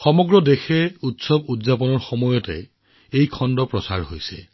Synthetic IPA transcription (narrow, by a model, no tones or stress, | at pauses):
xɔmɔɡɹɔdexɛutsɔbutzapɔnɔɹxɔmɔjɔtɛ̰ | ejkʰɔndɔpɹɔsa̰ɹɦojsɛ̰